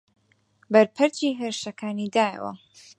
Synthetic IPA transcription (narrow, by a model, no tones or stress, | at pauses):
bɐɾpʰɨɾt͡ʃiːɦeːɾʃɐkʰaːniːd̪aːjə̰wɐ̰